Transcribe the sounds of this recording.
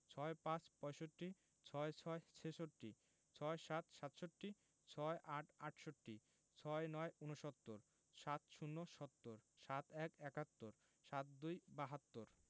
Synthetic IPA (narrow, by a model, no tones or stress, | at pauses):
t͡ɕʰɔepãt͡ɕpɔjʃoʈːi | t͡ɕʰɔet͡ɕʰɔet͡ɕʰeʃoʈːi | t͡ɕʰɔeʃat̪ʃat̪ʃoʈːi | t͡ɕʰɔeʔaʈʰaʈʰʃoʈːi | t͡ɕʰɔenɔeunoʃɔt̪ːoɾ | ʃat̪ʃunːoʃɔt̪ːoɾʃat̪ʰɛkɛkat̪ːoɾ | ʃat̪̚d̪ujbaɦat̪ːoɾ